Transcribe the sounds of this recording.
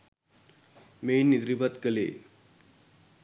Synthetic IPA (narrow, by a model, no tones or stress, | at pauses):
mejnːid̪ɾibət̪kəlḛ